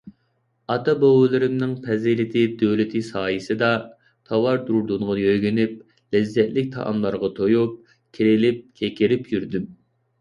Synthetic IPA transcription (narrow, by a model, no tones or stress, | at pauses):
ɑt̪ɑbowɨlˠɪɾɪmnɪŋpʰɛzɪlɪt̪ʰɪd̪ølɪt̪ʰɪsɑːjɪsɨd̪ɑ | t̪ʰɑwɑɾd̪uɾd̪unʁɑjøjɡʲynyp̚ | lɛzːɛt̪lɪk̚ʲt̪ʰɑ̰ʔɑ̰mlˠɑɾʁɑt̪ʰojup̚ | kʲʰiɾɪlɪp̚kʲʰekʲɪɾɪpjyɾd̪ym